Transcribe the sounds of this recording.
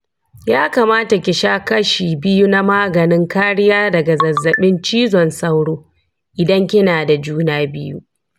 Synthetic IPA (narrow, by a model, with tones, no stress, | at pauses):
jaː˦ka˨maː˦ta˨kʲɪ˨ʃaː˦kɐ˦ʃiː˨bɪ˦ju˦na˦maː˦ɡɐ˨nɪ˦ŋkaː˦ɽɪ˦jaː˦dɐ˨ɡa˨zɐ˨zːɐ˨ɓɪ˦nt͡ʃiː˦zɔ˨nsa˦wɽoː˦ | ʔɪ˨dɐ˦ŋkʲɪ˦naː˨da˨d͡ʒuː˦naː˦bɪ˦jṵ˦